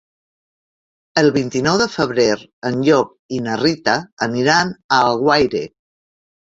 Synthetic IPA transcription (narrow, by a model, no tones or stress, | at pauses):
əlˠβint̪inɔwðəfəβɾeɾənʎɔp̚inərit̪əːniɾanəaɣwajɾḛ